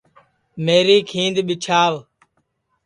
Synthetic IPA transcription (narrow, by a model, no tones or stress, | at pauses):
meːɾiːkʰĩːnd̪ɓɪt͡ʃʰaːʋ